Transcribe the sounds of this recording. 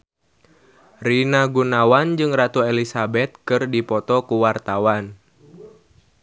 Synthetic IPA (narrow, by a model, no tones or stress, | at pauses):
rinaɡunawand͡ʒɨŋɾat̪uelisabɛt̪̚kɨrdipɔt̪ɔkuwart̪awan